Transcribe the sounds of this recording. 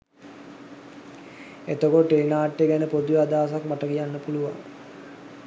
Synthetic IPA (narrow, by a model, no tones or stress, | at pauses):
et̪okoʈenaːʈːeɡɛnəpod̪uʋəad̪aːsakmaʈəɡijanːəpuluʋa̰ŋ